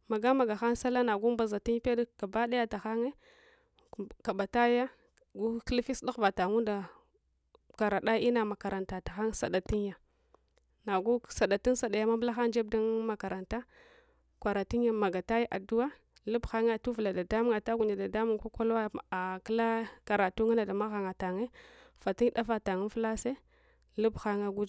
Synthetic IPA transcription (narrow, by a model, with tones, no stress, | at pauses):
ma˨ɡa˦ma˨ɡa˨xa˦ŋ˦sa˦la˦na˨ɡu˦m˦ba˨za˨ti˦n˦pe˦dka˨ba˦da˦ja˦ta˨xa˦ŋe˦˨ | ka˨ɓa˨ta˦ja˦ | ɡu˦klfi˦sɗu˦˨va˨ta˨ŋu˦nda˨ | ka˨ɾa˨ɗa˦i˦na˨ma˨ka˨ɾa˨nta˨ta˨xa˦ŋ˦sa̰˨da˨ti˦nja˨ | na˨ɡu˦sa˨ɗa˨ti˦n˦sa˨ɗa˨ja˦ma˦bla˦xa˦n˦d͡ʒe˦b̚da˦nma˨ka˨ɾa˨nta˦ | kʷa˨ɾa˨ti˦ja˦ma˨ɡa˨ta˦ji˦ʔa˨du˦wa˦ | lu˦bxa˦ŋa˦tu˦vu˨la˨da˨da˦mu˦ŋa˨ta˦ɡu˨na˨da˨da˦mu˦ŋ˨kʷa˦ka˦la˦a˨kə˦la˦ka˨ɾa˨tu˦ŋa˦na˨da˨ma˦ɣa˨ŋa˨ta˨ŋe˦fa˨ti˦ŋda˦va˦ta˨ŋi˦n˦fla˦se˦ | lu˦bxa˦ŋa˦ɡu˦d͡ʒ